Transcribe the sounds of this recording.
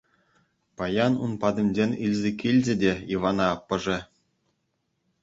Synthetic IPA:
pɑjɑnṵnpɑd̪ɤ̆mʲd͡ʑenʲilʲzʲekʲilʲd͡ʑʲɘ̆dʲeiʋɑnɑɑpːɤ̆ʐɘ̆

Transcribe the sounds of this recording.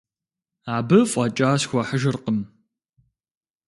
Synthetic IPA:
aːbɐfʷʼɐt͡ʃʼaːsxʷɔħəʒɨrqʼəm

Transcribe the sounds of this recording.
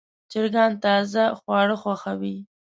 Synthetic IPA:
d͡ʒɪɾɡɑnt̪ɑzaxwɑɽəxwaxawi

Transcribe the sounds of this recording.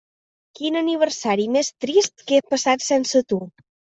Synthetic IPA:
kinəniβəɾsaɾimest̪ɾist̪kepəsat̪sɛnsət̪u

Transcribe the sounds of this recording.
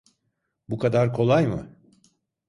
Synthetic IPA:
bukʰad̪aɾkʰo̞lˠajmɯ̰

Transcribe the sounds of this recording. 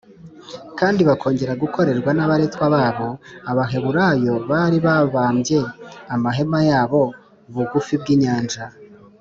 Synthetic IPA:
kaːndiβakʰo̞ːɲɟe̞ɾaɡukʰo̞ɾe̞ɾɡwanaβaɾe̞tkwaβaːβo̞aβaɦe̞βuɾaːjo̞βaɾiβaβaːmbje̞amaɦe̞majaːβo̞ | uβuɡufibɡiːɲaːnd͡ʒa

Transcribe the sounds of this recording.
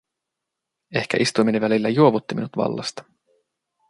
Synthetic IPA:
e̞hk̟æ̰ʔist̪umineʋælilːæjuoʋut̪ːimḭnut̪ʋɑ̰lːɑ̰st̪ɑ̥

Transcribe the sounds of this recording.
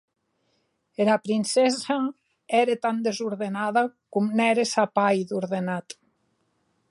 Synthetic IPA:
eɾapɾinsɛza | ɛɾet̪and̪ezuɾðenaðakumnɛɾesapajd̪uɾðenat̪

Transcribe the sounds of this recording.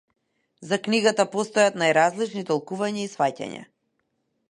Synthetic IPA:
zakniɡat̪apɔst̪ɔjat̪najɾazlit͡ʃnit̪ɔlˠkuvaɲaisfaca̰ɲa̰

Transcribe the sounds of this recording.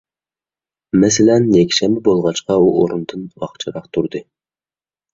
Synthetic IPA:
mɛsɪlɛnjɛkʲʃɛmbɪbolˠʁɑt͡ʃqɑuoɾund̪ɨnwɑ̰χt͡ʃʰɨɾɑqt̪ʰuɾd̪ɨ

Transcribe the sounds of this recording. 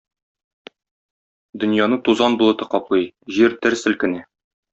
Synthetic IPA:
d̪ɵ̆njɑnɤt̪uzɑnbulˠɤ̆t̪ɤqɒplˠɤjʑiɾt̪ɘɾsɘ̆lkɘ̆næ

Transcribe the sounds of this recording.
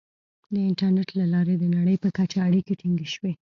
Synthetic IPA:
d̪əɪɳʈaɾnɛʈlalɑɾed̪ənaɽəjpəkat͡ʃaːɽikeʈiŋɡeʃwe

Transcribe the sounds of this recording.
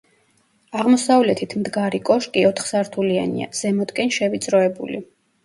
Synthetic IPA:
aʁmɔsavlɛt̪ʰit̪ʰmd̪ɡaɾikʼɔʃkʼiɔt̪ʰχsaɾt̪ʰulianḭa̰z̥ɛmɔt̪ʼkʼɛnʃɛvit̪sʼɾɔɛbṵli

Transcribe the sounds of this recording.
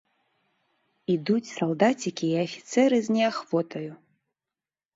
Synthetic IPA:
id̪ut͡sʲsalˠd̪at͡sʲikʲiːafʲi̥t̪sɛɾɨznʲɛaxvɔt̪ɐju

